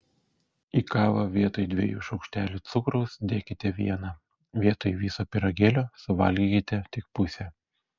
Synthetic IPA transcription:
iːkɑːʋɐʋʲiɛt̪oːjd̪ʲʋʲḛjuːʃɒʊkʃʲt̪ʲæːlʲuːt̪sʊkɾɔʊsd̪ʲeːkʲɪt̪ʲɛʋʲiɛnɑ | ʋʲiɛt̪oːjʋʲiːsoːpʲɪɾɐɡʲeːlʲoːsʊʋɐ̰lʲɡʲikʲɪt̪ʲɛt̪ʲɪk̚pʊsʲɛ

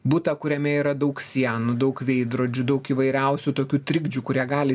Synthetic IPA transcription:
bʊt̪ɐkʊɾʲɛmʲɛiɾɐd̪ɐʊksʲiɛnʊd̪ɐʊkʋʲeɪd̪ɾoːd͡ʒʲʊd̪ɐʊkiːʋɐɪɾʲɛʊsʲut̪oːkʲuːt̪ʲɾʲɪɡd͡ʒʲuːkʊɾʲiɛɡɑːlʲɪ

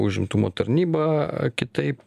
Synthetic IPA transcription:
ʊʒʲɪmt̪umoːt̪ɐɾʲnʲiːbɑkʲɪt̪ɐɪp

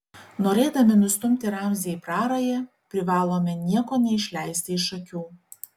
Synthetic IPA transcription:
noːɾʲeːd̪ɐmʲɪnʊst̪ʊmʲt̪ʲɪɾɑmʲzʲepɾɑːɾɐjɛ | pʲɾʲɪʋɑːlˠoːmʲɛnʲiɛkoːnʲɛɪʃʲlʲɛɪsʲt̪ʲɪɪʃɐkʲuː

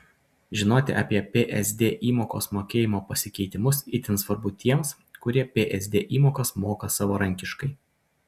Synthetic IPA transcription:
ʒʲɪnoːt̪ʲɪ̰ʔɑ̰ːpʲiɛpʲeːʔɛzʲd̪ʲeːʔiːmoːko̰ːsmoːkʲeːjɪmoːpɐsʲɪkʲɛɪt̪ʲɪmʊsɪt̪ʲɪnsʋɐɾbʊt̪ʲiɛms | kʊɾʲiɛpʲeːʔɛzʲd̪ʲeːʔiːmoːkɐsmoːkɐsɑːʋoːɾɐŋʲkʲɪʃkɐɪ

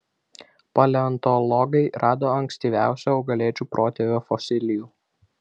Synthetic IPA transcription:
pɐlʲɛɐnt̪ɔlˠɔɡɐɪɾɑːd̪oːɐŋʲksʲt̪ʲiːʋʲæˑʊsʲoːɐʊɡɐlʲeːt͡ʃʲuːpɾʔoːt̪ʲeʋʲoːfɔsʲɪlʲɪjuː

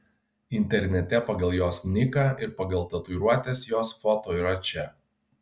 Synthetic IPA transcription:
ɪnʲt̪ʲɛɾʲnʲɛt̪ʲɛpɐɡɐlˠjoːsnʲɪkɐɪɾpɐɡɐlˠt̪ɐt̪ʊɾuɔt̪ʲeːsjoːsfɔt̪oːiːɾɐt͡ʃʲɛ

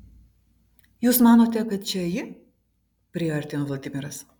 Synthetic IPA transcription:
juːsmɑːnoːt̪ʲɛkɐt̪̚t͡ʃʲɛjɪ | pʲɾʲɪɐɾʲt̪ʲɪnoːʋlˠɐd̪ʲɪmʲɪɾɐs

